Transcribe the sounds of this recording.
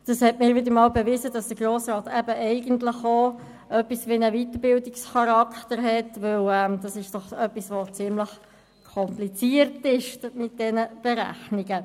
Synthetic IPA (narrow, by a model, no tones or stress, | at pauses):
d̥ɑshɛtmɪːɾʋɪd̪əɾmɑːlbeʋɪzəd̥ɑsd̥əɡroːsɾɑːtæbəʔɛɪɡəntləχo | œpːisʋinəvitəɾbɪldɪksχɑɾɑkχtəɾɦɛtʋɵwɛmd̥ɑsɪʃd̥ɔχœpːisʋot͡sɪmləχ | kʰɔmplit͡siːəɾtɪʃmɪt̚d̥ɛnəb̥eɾæ̰χniɡə